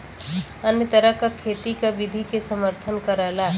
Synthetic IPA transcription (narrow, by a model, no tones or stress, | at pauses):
ənjət̪əɾəkakʰeːt̪ikabɪd̪ʱikesəməɾt̪ʰənkəɾəla